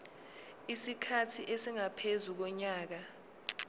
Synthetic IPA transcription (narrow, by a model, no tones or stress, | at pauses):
isikʰatʰiʔesiŋapʰezuk̬ɔɲaːk̬a